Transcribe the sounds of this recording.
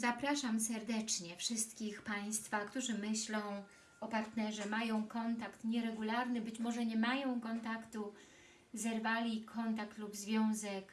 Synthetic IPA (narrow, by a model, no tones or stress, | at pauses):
zapɾaʂamsɛɾd̪ɛt͡ʂɲɛfʂɘst̪kʲixpaj̃st̪fakt̪uʐɘmɘɕlɔ̃w̃ | ɔpaɾt̪nɛʐɛmajɔ̃w̃kɔnt̪akt̪ɲɛɾɛɡulaɾnɘbɘt͡ɕmɔʐɛɲɛmajɔ̃w̃kɔnt̪akt̪u | zɛɾvalʲikʰɔnt̪akt̪lubzvʲjɔ̃w̃zɛk